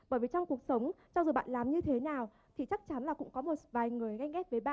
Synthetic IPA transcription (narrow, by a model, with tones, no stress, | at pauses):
ɓəː˧˩jvi˨˩t͡ɕɔ˧wŋ͡mku˨˩ək̚sə˨˦wŋ͡m | t͡ɕɔ˧zu˨˩ɓa̰ː˧˨nlaː˨˩mɲɨ˧t̪ʰe˨˦naː˨˩w | t̪ʰi˨˩t͡ɕa˦˥k̚t͡ɕa˨˦nlaː˨˩kʊ̰˧˥ŋ͡mkɔ˨˦mo˨˩t̚vaː˨˩jŋɨ˨˩əjɣa˧jɣɛ˦˥p̚vəː˨˦jɓa̰ː˧˨